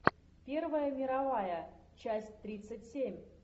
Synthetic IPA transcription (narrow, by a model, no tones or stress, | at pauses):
pʲe̞rvəjəmʲɪɾavajə | t͡ɕæsʲtʲt̪ɾʲit̪sɨtʲsʲemʲ